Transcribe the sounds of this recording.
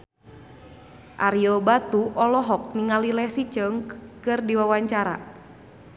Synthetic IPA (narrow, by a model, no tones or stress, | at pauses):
ʔaɾjɔbat̪uɔlɔɦɔk̚niŋalilɛsit͡ʃəŋkkɨrdiwawaɲt͡ʃaɾa̰